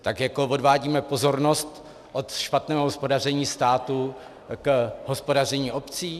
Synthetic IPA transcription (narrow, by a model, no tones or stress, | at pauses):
t̪akjako̞vo̞dvaːɟiːmɛpo̞zo̞ɾno̞st̪ | ʔot̪ʃpat̪nɛːɦoɦospo̞dar̝ɛɲiːst̪aːt̪u | kɦo̞spodar̝ɛɲiːʔo̞pt͡siː